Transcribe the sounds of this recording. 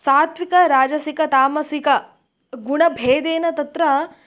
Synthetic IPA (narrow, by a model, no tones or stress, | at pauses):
saːt̪ʋikɐɾaːd͡ʒɐsikɐt̪aːmɐsikɐ | ɡuɳɐbʱeːd̪eːnɐt̪ɐt̪ɾɐ